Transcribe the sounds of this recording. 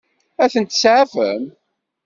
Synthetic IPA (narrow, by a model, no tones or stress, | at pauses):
æθənt̪ːsʕafə̰m